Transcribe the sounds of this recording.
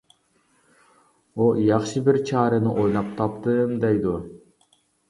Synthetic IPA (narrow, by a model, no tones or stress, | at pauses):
ojɑχʃɯbiɾt͡ʃʰɑːɾɯnɯʔojlˠɑp̚t̪ʰɑpt̪ɯmd̪ejd̪u